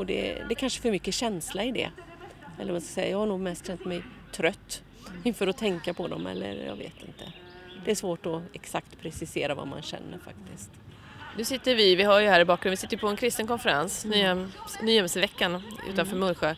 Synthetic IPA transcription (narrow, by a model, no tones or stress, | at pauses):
ɔd̪ɛ̰d̪ɛkʰanʂəɛfœɾmʏkːəɕɛnslaɪd̪ɛ̰ | ɛlːəɾmanskasɛjːajɑːɡhaɳuːɡmɛst̪ɕɛnt̪mɛjt̪ʰɾœt̪ː | ɪnfœɾɔt̪ʰɛŋkapʰɔd̪ɔ̰mɛ̰lːə̰ɾjɑ̰ːɡvḛːt̪ɪnt̪ʰə̰ | d̪̥ɛæʂvoːʈɔɛksakt̪pʰɾɛsɪseːɾava̰ma̰nɕɛ̰nːəɾfa̰k̚t̪ʰɪst̪ | nʉ̟ːsɪt̪ːəɾvɪvɪhajəhæːɾɪbɑːkɾnvɪsɪt̪ːjəpʰɔɛnkʰɾɪst̪ənkɔnfɛɾansnyːɛnyːjɛmsəvɛkːanʉ̟̰ːt̪anfœːɾmɵnɧə